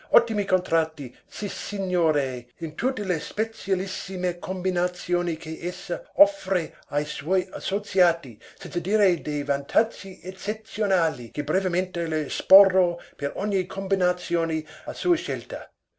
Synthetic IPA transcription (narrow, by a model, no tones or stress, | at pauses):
ɔt̪ːimikont̪ɾat̪ːi | sisiɲːoːɾeint̪ut̪ːelespet̪sjalisːimekʰombinat̪sjoːnikʰeʔesːaɔfɾe | ajswɔjasosjaːt̪isɛnt̪sad̪iːɾed̪ejvant̪ʰad͡ʒːiet͡ʃːet̪sjonaːlikebɾevement̪elespɔrːopeɾɔɲːikʰombinat̪sjoːniasuːeʃɛlt̪ɐ̰